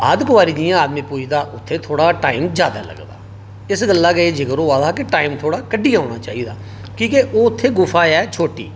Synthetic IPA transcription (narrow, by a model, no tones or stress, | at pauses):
ə̰d̪kʊʋaːɾiːd͡ʒiːãːaːd̪mĩːpuːd̪aːʔʊt̪ʰːeːt̪ʰoːɽaːʈaːɪːmd͡ʒjaːd̪a̰ːlə̰ɡd̪a̰ː | ɪsɡəlːaːɡəeːd͡ʒɪkəɾoːaːd̪aːkeʈaːɪmt̪ʰoːɽaːkəɖiːãːɽ̃aːt͡ʃaːiːd̪a̰ː | kĩːkeʔoːʊt̪ʰːeːɡʊfʰaːɛːt͡ʃʰoːʈḭː